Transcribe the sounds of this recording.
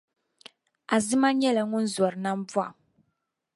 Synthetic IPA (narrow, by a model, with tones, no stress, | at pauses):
a˨zɨ˦ma˦ɲɛ˦la˨ŋʊ˦n̩˦zɔ˨ɾɨ˨na˦m˦bu˦a̰˨